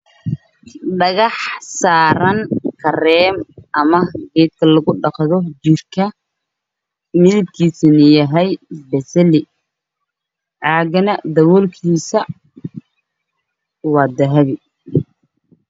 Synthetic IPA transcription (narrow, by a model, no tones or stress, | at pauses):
ɖɐɣɑħsaːɾɐnkʰɐrɛːmʔɐmɐɡɛːd̪̚kʰɐlɐɣʊɖɑqðɔd͡ʒɪrkʰɐ | mɪlɪb̚kʰiːsɪnɪjɐɦɛjsbɛsɛlɪ | ʕɑːɡɐnɐd̪ɐwɔlkʰiːsɐ | wɑːd̪ɐɦɐβɪ